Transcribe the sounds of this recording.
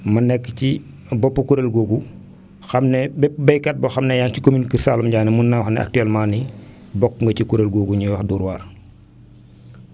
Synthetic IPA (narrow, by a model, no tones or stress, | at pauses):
mɐnɛkːci | bɔpːɐkuɾelɡoːɡu | xɐmnebɛbɐjkat̚bɐxamnɛjaŋcikominkiɾsalumɟaːnimunːawxnɛ̰ʔa̰k̚tɛlmaːni | bɔkŋɡɐcikuɾelɡoːɡuɲuwaxduːɾwaːr